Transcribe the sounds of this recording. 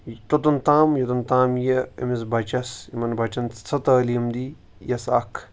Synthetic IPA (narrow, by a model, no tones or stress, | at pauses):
t̪ot̪ɐnt̪aːmjɐt̪ɐnt̪aːmjɐɐ̰mis̬bʱɐt͡ʃɐsimɐnbʱɐt͡ʃɐnt͡sɐt̪ɐːlimd̪i | jɐsakʰ